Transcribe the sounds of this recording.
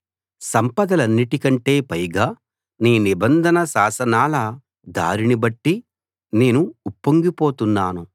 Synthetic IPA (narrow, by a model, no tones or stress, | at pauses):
sɐmpɐd̪ɐlɐnːiʈikɐɳʈe̞ːpɐjɡaː | niːnibɐnd̪ʱɐnɐsaːsɐnaːlɐ | d̪a̰ːɾinibɐʈːi | ne̞ːnuːpːoŋɡipo̞ːt̪unːaːnu